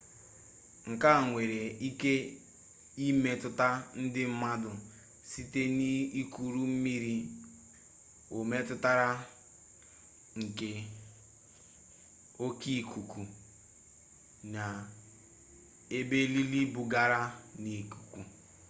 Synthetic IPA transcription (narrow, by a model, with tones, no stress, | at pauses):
ŋ̩˨ka˦˨ŋʷe˨ɾe˨i˦ke˦ | i˦me˨tʊ˦ta˦n̩˦dɪ˦m̩˦ma˦dʊ˨ | si˦te˦ni˦i˦ku˨ɾu˦m̩˦mi˦ɾi˦ | o˨me˦tʊ˦ta˦ɾa˦ | ŋ̩˨ke˨ | o˦ki˦˨ku˨ku˨ | na˨ | e˦be˦li˦li˦bʊ˨ɡa˦ɾa˦ni˨ku˨ku˨